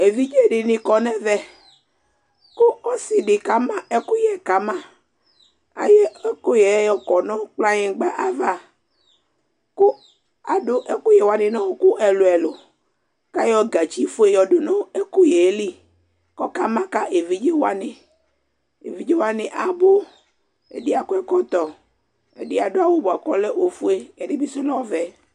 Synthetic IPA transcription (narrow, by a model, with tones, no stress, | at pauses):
e˨vi˦d͡ʒe˦ɖɪ˨nĩ˨kɔ˨nɛ̃˦vɛ˦ | ko˦ɔ˦si˨ɖɪ˨ka˦mã˦ɛ˦ku˦jɛ˨ka˨mã˦ | a̰˨je˦ɛ˦ko˦je˨˦jɔ˦kɔ˨nɔ̃˦k͡pla˦ɲẽ˨ɡ͡ba˦ʔa˨va˦˨ | ku˦ | a˨ɖo˦ʔɛ˨ku˦je˨wa˨nɪ̃˨nɔ̃˦ku˦ʔɛ˨lo˨ɛ˨lo˨ | ka˦jɔ˦ɡa˨t͡ʃi˦fo˦e˦jɔ˨ɖo˨nɔ̃˦e˦ku˦je˨˦li˦ | kɔ˦ka˦mã˦ka˦ʔe˨vi˦d͡ʒe˦wa˦nẽ˨ | ḛ˨vi˦d͡ʒe˦wa˦nẽ˨ʔa˨bo˦ | ḛ˨di˦a˨ku˦ɛ˦kɔ˦t̪ɔ˨ | ḛ˨ɖi˦a˨ɖo˦a˨wo˦bo˨a˨kɔ˦le˦wo˨fu˦e˦ɛ˨ɖe˦bi˦sɔ˦lɔ˦vɛ˨